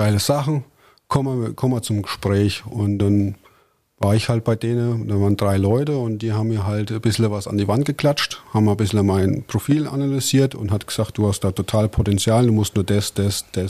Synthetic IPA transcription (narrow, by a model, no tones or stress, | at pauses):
ɡ̥aɪləz̥aχn̩ | kʰɔmkʰɔməɐt͡sʊmɡəʃpʁ̥ɛːçʔʊntd̥an | vaːɐɪçhalt̚b̥aɪdeːnənd̥anvaːɐəndʁaɪlɔʏtəʊntd̥iːhaːbmiːɐɦaltb̥ɪsl̩vasa̰ndiːvant̚ɡ̥əkl̥at͡ʃthaːbmabɪsl̩maɪnpʁ̥ofiːlʔa̰nalyziːɐtʊ̰nthatɡ̥əz̥aːkt̚d̥uːhastd̥aːtʰotʰaːlpʰotɛnt͡sjaːlduːmʊstnuːɐdasd̥asd̥a